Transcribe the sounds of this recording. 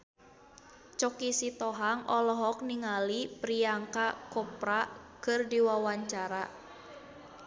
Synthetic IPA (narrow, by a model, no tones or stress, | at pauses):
t͡ʃɔkisit̪ɔɦaŋɔlɔɦɔk̚niŋalipɾiaŋkakɔpɾakɨrdiwawaɲt͡ʃaɾa